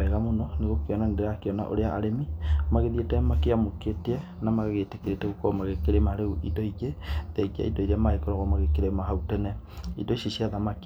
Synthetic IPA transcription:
ɛɣamonɔneɣokeɔnandeɾakeɔna̰ʔo̰ɾeaʔaɾemimaɣeðietɛmakeamoketɛ | namaɣɣetekeɾetɛɣukɔmaɣekeɾemaɾeuʔidɔiɣeðɛɡia̰ḭdɔiɾeamaekɔɾɔɣɔmaɣekeɾemaɦautɛnɛ | ḭdɔiʃiʃiaðamak

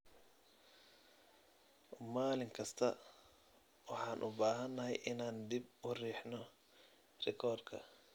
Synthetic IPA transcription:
maːlɪŋkʰɐst̪ʰɐ | wɑħɑːnʔʊbaːɦɐnːɐɦɛ̰jʔɪnaːnd̪ibʊriːħnɔ | rɪkʰɔːrd̪kʰɐ̰

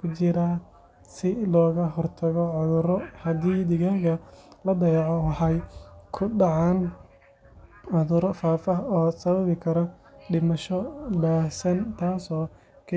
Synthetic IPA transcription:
kʰʊt͡ʃɪɾaː | sɪlɔːɣɐɦɔrt̪ʰɐɣɔʕʊðʊɾɔhɐd̪iːd̪ɪɣɐɣɐlɐbɛjʕɔwɑħɑjkʰʊɖɑʕɑn | ʕʊðʊɾɔfaːfɐɦɔːsɐβɐβɪkʰɐɾɔɖɪmɐʃɔbaːhsɐnt̪ʰaːsɔː | kʰ

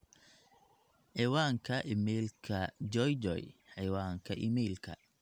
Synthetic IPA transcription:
ħijwaːŋkʰɐʔimɛːlkʰɐd͡ʒɔjd͡ʒɔ̰jħɪwaːŋkʰɐʔḭmɛlkʰɐ̰

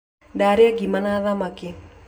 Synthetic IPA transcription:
daɾjaɡimanaðamakɪ

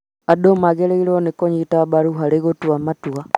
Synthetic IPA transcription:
adomaɣeleiɾonekoɲitabaɾuɦaleɣotwamatwa

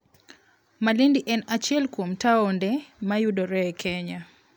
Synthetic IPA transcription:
malindiʔɛnat͡ʃjɛlkwomtaɔndɛmajudɔɾɛɛkʰɛɲa

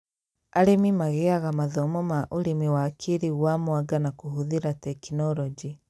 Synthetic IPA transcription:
aɾemimaɣeaɣamaðɔmɔmaʔoɾemiwakʰeɾiɣwamwaɡanakoɦoðiɾatɛkinɔɾɔd͡ʒi

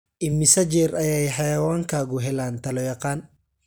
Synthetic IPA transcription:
ʔɪmːɪsɐd͡ʒɛːɾɐjɛjħɑjɐwaːŋkʰaːɣʊɦɛlaːnt̪ʰɐlɔjɐqaːn

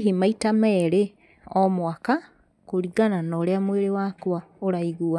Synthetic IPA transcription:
ɦimaitamɛɾe | ɔmwaka | koɾiɡananɔɾeamweɾewakwaoɾaiɣua

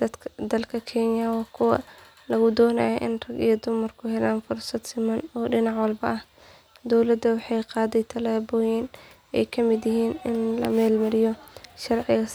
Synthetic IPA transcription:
d̪ɐd̪ɐlkʰɐkʰɛnjɐwɑːkʰʊwɐ̰ | lɐɣʊd̪ɔːnɐ̰jɔʔɪnrɐɡijɔd̪ʊmɐrkʰʊɦɛlaːnfʊrsɐd̪sɪmɐnɔːɖɪnɑʕwɑlbɐʔɐh | d̪ɔwlɐd̪ːɐwɑħɑjqɑːðɛjt̪ʰɐlaːbɔːjɪn | ɛ̰jkʰɐmɪd̪jɪɦiːnɪnlɐ̰mɛːlmɐlɪjɔʃɐrʕɪɣɐs

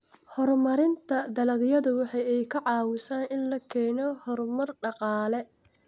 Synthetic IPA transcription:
hɔrmɐɾɪnt̪ʰɐd̪ɐlɐɡjɐðʊwɑħɑjɛjkʰɐʕɑːwɪsaːnʔɪnlɐkʰɛːnɔhɔrmɐrɖɑqɑːlɛ

